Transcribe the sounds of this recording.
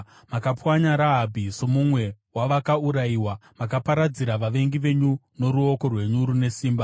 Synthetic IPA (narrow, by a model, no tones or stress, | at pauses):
makapwaɲaɾaɦabʱiso̞mumwe̞waʋakauɾaiwamakapaɾad͡ziɾaʋaʋe̞ŋɡiʋe̞ɲu | no̞ɾuo̞ko̞rwe̞ɲuɾune̞siːmba